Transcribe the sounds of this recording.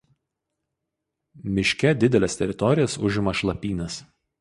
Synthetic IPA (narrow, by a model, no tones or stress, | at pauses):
mʲɪʃʲkʲɛd̪ʲɪd̪ʲɛlʲɛst̪ʲɛɾʲɪt̪ɔɾʲɪjɛsʊʒʲɪmɐʃlˠɐpʲiːnɐs